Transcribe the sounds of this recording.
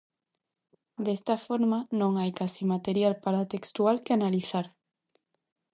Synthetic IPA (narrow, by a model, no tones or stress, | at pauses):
d̪est̪afoɾmanõŋajkasimat̪eɾjalpaɾat̪ekst̪ualkeanaliθaɾ